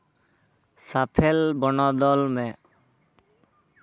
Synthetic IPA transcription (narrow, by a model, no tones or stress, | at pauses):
sapʰelbɔnɔd̪ɔlmɛ̃